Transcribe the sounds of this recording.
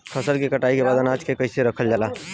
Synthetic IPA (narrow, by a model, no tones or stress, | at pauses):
kʰəsəɾkekəʈaikebad̪ənad͡ʒkekəɪseɾəkʰəld͡ʒaːla